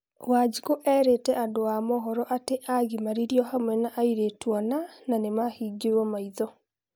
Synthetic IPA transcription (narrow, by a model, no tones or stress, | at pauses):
waːd͡ʒikoʔɛɾetɛʔandoamɔɦɔɾɔʔateʔaɣimaɾiɾiɔhamwɛnaʔaiɾetwɔnananemahiːɡewɔmaiðɔ